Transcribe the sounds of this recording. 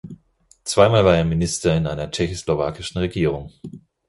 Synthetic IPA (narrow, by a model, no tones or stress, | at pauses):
t͡sv̥aɪmaːlvaːɐeːɐminɪstɐɪnʔa̰ɪnɐt͡ʃɛçoslova̰ːkɪʃn̩ʁeɡiːʁ̞ʊŋ